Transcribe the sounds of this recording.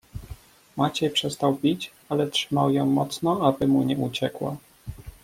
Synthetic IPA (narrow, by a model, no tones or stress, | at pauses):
mat͡ɕɛjpʂɛst̪awpʲit͡ɕ | alɛtʂɘmawjɔ̃w̃mɔt̪snɔabɘmuɲɛut͡ɕɛkwa̰